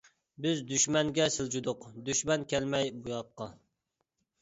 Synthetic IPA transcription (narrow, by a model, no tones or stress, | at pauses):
bɪzd̪yʃmɛŋɡʲɛsɪld͡ʒud̪ʊqd̪yʃmɛnkʲɛlmɛjbujɑqːɑ